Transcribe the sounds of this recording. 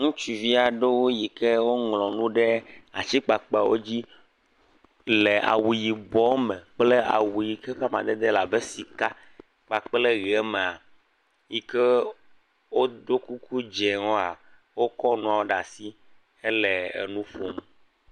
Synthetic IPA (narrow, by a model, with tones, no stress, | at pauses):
ŋũ˦t͡ʃu˨vi˦a˨ɖe˦wo˦ji˨kɛ˦wo˦ŋlɔ̃˨nũ˦ɖɛ˦a̰˨t͡ɕi˦k͡pa˨k͡pwʔo̰˦d͡ʑi˦ | le˨ʔa̰˨wu˨ji˨bɔ˦mɛ̃˨k͡ple˦a̰˨wu˨ji˨kɛ˦ɸa˦mã̰˨d̪e˦d̪e˦la˨be˦si˨ka˦ | k͡pa˨k͡ple˦ɣi˨ɛ˦me˨a˨ | ji˨kɛ˦ | wo˦d̪o˦ku˦ku˦d͡ʒɛ˨ŋɔ̃˦a˨ | wo˦kɔ˦nũ˦a˨wo˦ɖa˨si˦ | e˦lɛ˨ɛ̰˨nũ˦fo˦m˦